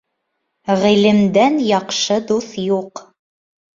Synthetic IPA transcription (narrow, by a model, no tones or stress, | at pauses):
ʁilɘ̆md̪ænjɑqʃɤd̪uθjuq